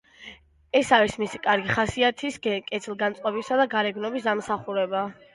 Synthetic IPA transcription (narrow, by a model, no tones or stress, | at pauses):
ɛsaɾismisikʼaɾɡiχasiat̪ʰiskʼɛt̪ʰlˠɡansʼqʼɔbisad̪aɡaɾɛɡnɔbisd̪amsaχuɾɛba